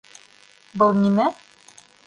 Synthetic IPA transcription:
bɤlˠnimæ

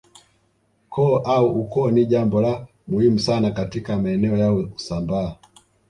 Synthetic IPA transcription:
kʰɔʔauʔukɔniʄambɔla | muhimusanakatikamaɛnɛɔjauusambaː

